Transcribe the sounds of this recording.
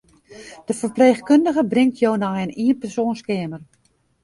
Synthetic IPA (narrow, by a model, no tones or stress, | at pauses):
d̥əfərpleːxkøndəɣəbrɪŋtʰjownɔəniənpɛrsoːnskɪːmər